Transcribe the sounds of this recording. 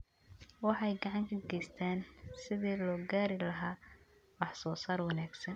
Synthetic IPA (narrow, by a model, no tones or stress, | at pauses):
wɑħɑjɡɑʕɑŋkʰɐɡɛjst̪ʰaːnsɪðiːlɔːɡaːɾɪlɐɦaː | wɑħsɔːsaːrwɑnaːɡsɐn